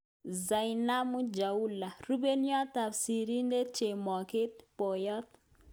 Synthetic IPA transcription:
za˨jna˦mu˦d͡ʒa˨u˦la˨ru˦be˦njɔ˦t̪a˨fsi˨ɾi˦nde˦t͡ʃe˨mɔ˨kɪ˦t̪̚pɔ˨jɔ˦t̪

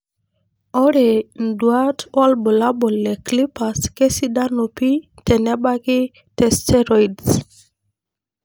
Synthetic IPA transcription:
ɔ˦ɾe˨ndwa˦twɔ˦lbɔ˨la˦bɔ˨lːɛ˨kli˦pa˨ske˦si˦da˦no˨pi˦tɛ˨nɛ˦ɓa˦kɪ˦ | tɛ˨stɛ˦ɾɔ˨ids

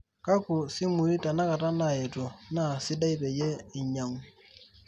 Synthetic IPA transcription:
ka˦kʊ˨sɪ˦mu˨ɾi˦ta˨na˦ka˨ta˦na˨ɛ˨to˨na˦˨sɪ˦da˦i˦pɛ˨jɛ˦ɪ˨ɲa˨ŋ

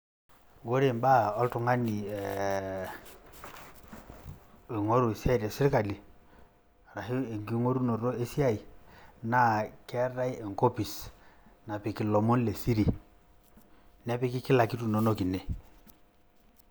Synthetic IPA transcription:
wo˦ɾe˨mba˦ɔ˦ltu˨ŋa˦ni˨ɛ˨ | e˨ŋo˦ɾu˨e˨si˦a˦i˨te˨si˦ɾka˨li˨ | ɾa˨hi˦e˨ŋɡi˦ŋo˦ɾu˦no˨ɾo˦e˦si˦a˦i˨na˨kɛ˦ra˦i˦e˨ŋko˦pi˨sna˨pi˨ki˨lɔ˨mo˦nle˨si˦ɾi˨ | nɛ˦pi˦ki˦ki˦la˨ki˦tu˨no˨˦no˦ki˨ne˨

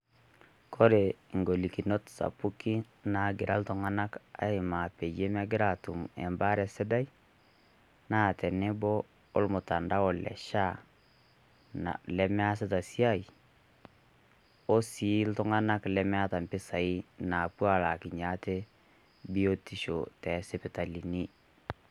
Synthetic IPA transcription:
kʰo˦ɾe˨ŋɡo˨li˨ki˨no˦tsa̰˨pu˦ki˦ | na˨ɡɪ˨ɾʔa˦ltɔ˨ŋa˦na˦ka̰˦ɪ˨ma˨pe˨d͡ʒe˦ma˦ɡɪ˦ɾa˨tʊ˨mɛ̰˨mba˦ɾɛ˨sɛ˦da˦i˦ | na˦˨tɛ˨ne˦bɔː˦ | lmʊ˨ta˨nda˦ɔ˨lɛ̰˨ʃa˦ | na̰˨lɛ˦m˦a˦s̬ɪ˦ta˨si˦a˦i˨ | o˦si˨˦ltʊ˦ŋa˦na˦klɛ˦m˦a˦ta˨mpɪ˦sa˨i˦na˨pwa˨la˨kɪ˨ɲa˦te˦ | bi˦o˦ti˦ʃo̰˨tɛ˨˦se˦pɪ˨ta˨li˨ni˦

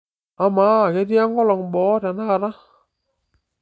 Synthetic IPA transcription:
a˨ma˨˦˨kɛ˦ti˦a˦ŋɡɔ˦lɔ˨ŋbɔ˨˦ta˨na˦˨ɾa˦

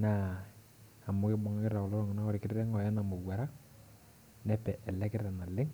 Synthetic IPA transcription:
na˦˨ | a˨mʊ˦kɪ˦bɔ˦ŋa˦kɪ˦ɾa˨kɔ˨lɔ˦ɾɔ˦ŋ˨na˦kɔ˦ɾɪ˨kɪ˦ɾɾɛ˦ŋɔ˨jɛ˦na˨mʊ˨wwa˨ɾa˦ | nɛ˦pɛ˨ʔɛ˨lɛ˦kɪ˦ɾa˨na˨lɪ˦ŋ

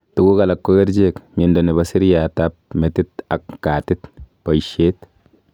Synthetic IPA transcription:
tu˨ɡu˦ka˨la˨kːo˦ɡe˦ɾd͡ʒe˦kmi˨ndo˨ni˨ba˨si˦ɾja˨ta˦p̚me˨tɪ˦t̪a˨kːa˨tɪ˦t̪pa˨jʃe˦t̪

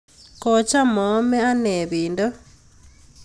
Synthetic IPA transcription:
ko˨t͡ʃa˦mo˨˦me˦a˦ne˨βiː˨ndo˦

